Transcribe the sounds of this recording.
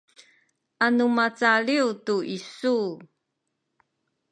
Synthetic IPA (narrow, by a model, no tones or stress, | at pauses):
ʔanumat͡saɭiutuʔisu